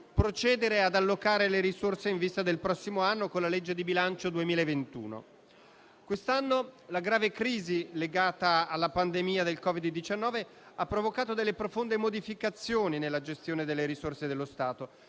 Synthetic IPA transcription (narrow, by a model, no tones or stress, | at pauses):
pɾot͡ʃɛːd̪eɾead̪alːokaːɾeleɾisorseiɱvist̪ad̪elpɾɔsːimoanːokonlaled͡ʒːed̪ibilant͡ʃod̪uemiːlaevent̪ṵːno̰ | kwest̪anːolaɡɾaːvekɾiːzileɡaːt̪aːlːapand̪emiːad̪elkɔvid̪ːit͡ʃanːɔːve | apːɾovokaːt̪od̪elːepɾofond̪emod̪ifikat̪sːjoːninelːad͡ʒest̪joːned̪elːeɾisorsed̪elːost̪aːt̪o